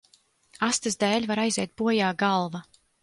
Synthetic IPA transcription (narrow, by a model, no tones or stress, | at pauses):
ast̪ɨzd̪ɛːlʲvaɾajzɛːt̪̚buɔjaːɡalˠva